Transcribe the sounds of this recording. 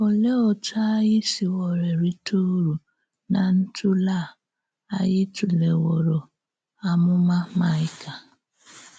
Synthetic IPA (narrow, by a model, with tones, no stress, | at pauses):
o˨le˦ɔ˨ta˦jɪ˦si˨wɔ˨ɾe˨ɾi˦tʰu˦ɾu˨ | na˨n̩˦tʰʊ˦la˦˨ | a˦jɪ˦tu˨le˨wɔ˨ɾo˨ | a˨mʊ˦ma˦ma˨ɪ˦ka˨